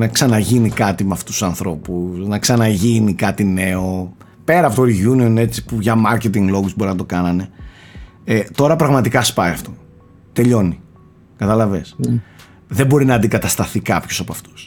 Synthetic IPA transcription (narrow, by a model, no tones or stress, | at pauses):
nɐksɐnɐʝinikɐt̪imeɐft̪usu̥sɐnθɾo̞pusnɐksɐnɐʝinikɐt̪ine̞o̞ | pe̞ɾɐpot̪oiʝunioine̞t͡si̥puʝɐmɐɾcet̪iŋɡlo̞ɣusbo̞ɾinɐt̪okɐnɐne̞ | et̪o̞ɾɐpɾɐɣmɐt̪ikɐspɐjɐft̪o̞ | t̪e̞ʎo̞ni | kɐt̪ɐlɐves | ðe̞bo̞ɾinɐːnd̪iɡɐt̪ɐst̪ɐθikɐpço̞sɐpoɐft̪u̥s